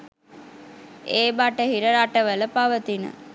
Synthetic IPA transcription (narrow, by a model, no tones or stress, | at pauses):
eːbaʈəɦiɾəɾaʈəʋələpaʋət̪inə̰